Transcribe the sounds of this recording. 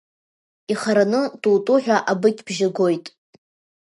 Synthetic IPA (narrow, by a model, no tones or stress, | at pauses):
iχaɾanɨdʼutʼʊħᶣaʔabɨkʲʰʼbʒaɡo̞jtʼ